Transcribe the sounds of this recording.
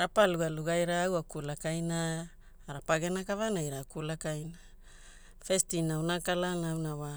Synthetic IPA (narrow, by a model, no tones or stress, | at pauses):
ɾapaluɡaluɡajɾaːwakulakajnaː | ɾapaɡenakavanajɾakulakajna | festinawnakalanawnawa